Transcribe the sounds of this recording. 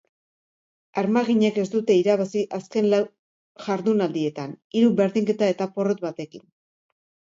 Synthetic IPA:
aɾmaɣiɲe̞ke̞sd̪ut̪e̞iɾaβasiʔaske̞nlaw | ʝaɾðunald̪ie̞t̪an | iɾuβe̞ɾðiŋke̞t̪ae̞t̪apo̞rot̪̚βat̪e̞kin

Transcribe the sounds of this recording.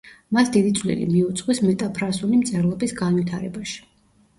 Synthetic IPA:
masd̪id̪it̪sʰʼlḭlḭmiut̪sʼqʼwismɛt̪ʼapʰɾasulimt̪sʼɛɾlˠɔbisɡanwit̪ʰaɾɛbaʃi̥

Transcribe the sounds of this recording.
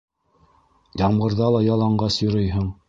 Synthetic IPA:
jɑmɢɤ̆ɾðɑlˠɑjɑlˠɑɴɢɑsjŏɾɤjɦɤɴ

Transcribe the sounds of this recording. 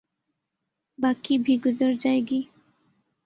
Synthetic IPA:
bakibʱiɡʊzəɾd͡ʒaːeɡi

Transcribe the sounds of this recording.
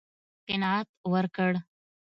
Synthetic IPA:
t̪enat̪̚ʋəɾkəɽ

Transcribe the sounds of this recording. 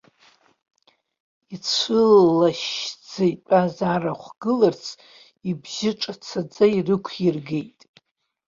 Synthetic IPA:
it͡sʷʰɨlːaʃd͡zejtʷʼazaraχʷɡ̥ɨlart͡sʰ | ibzɪʈ͡ʂʼat͡sʰad͡zairɨkʷʰirɡejtʼ

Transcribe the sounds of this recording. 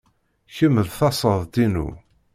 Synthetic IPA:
çəmːəlθɑsˤəðˤd̪inṵ

